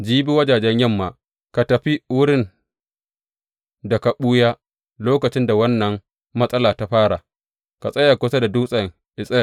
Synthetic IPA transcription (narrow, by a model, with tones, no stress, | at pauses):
d͡ʒiː˦bi˦wɐ˦d͡ʒaː˨d͡ʒɛ˦ɲjɐ˦˨mːaː˨ | ka˨tɐ˨ɸi˦wʊ˦ɽɪ˦˨n | da˨ka˨ɓuː˦jaː˦ | loː˦kɐ˨t͡ʃɪ˦nda˨wɐ˦nːɐ˨ŋ | mɐ˦sʼɐ˦laː˨ta˦ɸaː˦ɽa˨ | ka˨sʼɐ˦ja˨kʷʊ˦sa˦da˨duː˦sʼɐ˨ŋ | ʔɪ˨sʼɛ˨